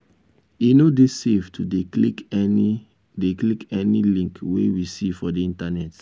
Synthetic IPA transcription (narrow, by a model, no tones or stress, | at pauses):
inodeseftudeklikni | deklikɛnilĩŋkwḛwisifɔdeĩntanɛt